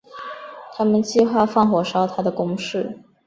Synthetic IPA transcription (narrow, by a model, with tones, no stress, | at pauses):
t̪ʰa˥mə˨nt͡ɕi˥˧xwa˥˧fɑ˥˩ŋxwɔ˨˩ʂɑ˥ʊt̪ʰa˥d̪ə˨kʊ˥ŋʂɻ̩˥˩